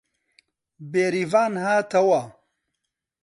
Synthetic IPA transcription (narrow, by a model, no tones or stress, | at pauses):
beːɾivaːnɦaːt̪ʰɐwa